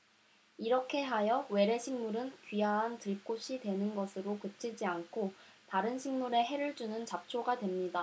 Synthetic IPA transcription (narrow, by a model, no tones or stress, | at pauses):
iɾʌkʰe̞ɦajʌwe̞ɾe̞ɕʰiŋmuɾɯnkɥiaɦantɯɭk͈oɕʰidwe̞nɯnɡʌsʰɯɾokɯt͡ɕʰid͡ʑiankʰotaɾɯnɕʰiŋmuɾe̞ɦe̞ɾɯɭd͡ʑunɯnt͡ɕap̚t͡ɕʰoɡadwe̞mɲida